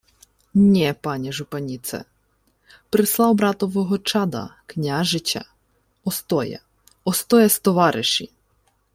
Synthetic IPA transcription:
nʲɛpɑnʲɛʒʊpɐnʲit̪sɛ̰ | pɾɪslˠɑwbɾɑt̪ɔʋɔɦɔt͡ʃɑd̪ɐ̰knʲaʒɪt͡ʃʲɐ̰ | ɔst̪ɔjɛ̰ | ɔst̪ɔjɛst̪ɔʋɑɾʔɪʃḭ

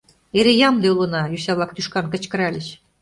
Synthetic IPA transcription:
eɾejɑmd̪eulˠɤ̆nɑjysʲæβlˠɑk̚t̪yʃkɑnkɤ̆t͡ɕkə̆ɾælʲɘɕ

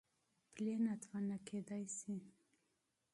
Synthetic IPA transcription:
plenat̪vanaked̪ajsi

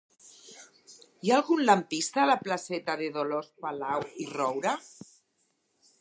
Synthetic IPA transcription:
jaːlˠɣunlampist̪aːlaplasɛt̪aðeðolospalawirɔwɾa

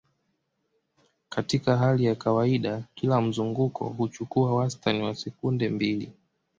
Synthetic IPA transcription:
katikaɦalijakawaiɗakilam̩zuŋɡukʰɔ̰ɦut͡ʃukuawastaniwasɛkundɛmbilḭ

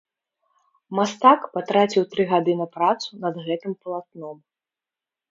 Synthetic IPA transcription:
mast̪akpat̪ɾat͡sʲiwt̪ɾɨɣad̪ɨnɐpɾat̪sunɐd̪ɣɛt̪ɨmpɐlˠat̪̚nɔm

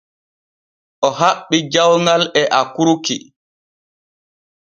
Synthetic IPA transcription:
ʔɔɦaɓːid͡ʒawŋɡalɛʔakuɾuki

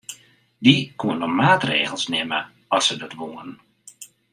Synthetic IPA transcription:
dikuənɔmaːtrḛːɣəlˠsnɪmə̰ | ɔsədətʋuən

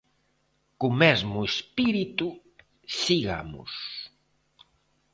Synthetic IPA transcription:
kʊmɛzmʊespiɾit̪u | siɣa̰mʊ̰s

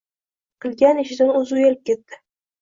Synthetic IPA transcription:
qʰɨlˠɡʲanɪʃɪd̪anɵzujalɪp̚kʲe̞t̪ːɪ̥

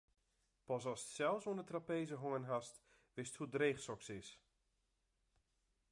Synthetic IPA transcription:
pɔsɔssɛlˠsoəndətrapeːzəɦoənɦast | ʋɪsthudreːxsɔksɪs

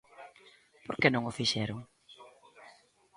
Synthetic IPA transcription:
poɾkɛnõŋʊfiʃɛɾʊŋ

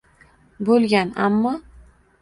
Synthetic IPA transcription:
bolˠɡʲana̰mːɒ

